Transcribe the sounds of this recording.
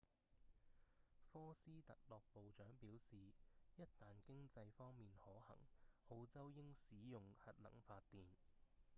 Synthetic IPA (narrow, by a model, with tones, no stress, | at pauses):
fɔː˥siː˥t̪ɐ˨k̚lɔː˨k̚po˨wt͡ʃœː˨˥ŋpiː˨˥wsiː˨jɐ˥t̚t̪aː˨nkɪ˥ŋt͡sɐ˧jfɔː˥ŋmiː˨nhɔː˨˥hɐ̰˨˩ŋho˧wt͡sɐ˥wjɪ˥ŋsiː˨˥jʊ˨ŋhɐ˨t̚lɐ̰˨˩ŋfaː˧t̚t̪iː˨n